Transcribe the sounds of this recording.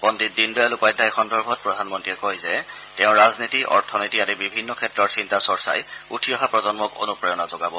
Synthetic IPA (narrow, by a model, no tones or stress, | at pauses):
pɔndit̚dindujalupajdʱajxɔndɔɹbʱɔt̚pɹɔdʱanmɔntiɛkɔjzɛ | tɛʊ̃ɹaznitiʔɔ̰ɹtʰɔnitiatibibʱinːɔkʰɛtːɹɔɹsintasɔɹsa̰jutʰijɔɦapɹɔzɔnmɔko̰nupɹɔjɔnazɔɡabɔ